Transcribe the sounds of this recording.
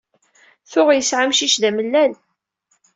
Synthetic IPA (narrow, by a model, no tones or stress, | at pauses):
θʊʁjəsʕamʃiʃðæməlːæl